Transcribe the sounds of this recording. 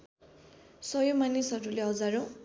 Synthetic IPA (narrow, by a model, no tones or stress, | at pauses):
sʌjomanisɦʌɾuleɦʌd͡zaɾõ